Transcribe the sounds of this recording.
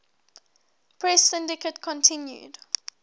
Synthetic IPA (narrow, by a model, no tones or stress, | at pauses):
pʰɹɛsɪ̃ndɪkətkʰɔ̃ntʰɪ̃njṵd̥